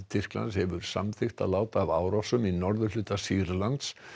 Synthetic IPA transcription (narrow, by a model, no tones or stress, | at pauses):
t̪ʰɪr̥kla̰nshɛvʏɾ̥sa̰mθɪxt̪a̰laːwt̪aːvaːwɾɔfsʏminɔɾðʏlʏːt̪asiːɾlant̪s